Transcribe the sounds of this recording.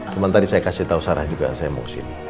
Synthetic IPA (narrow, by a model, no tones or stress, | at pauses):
t͡ʃumant̪adisajakasiht̪ausaɾahd͡ʒuɡaja̰ŋsajamṵksɪ̰m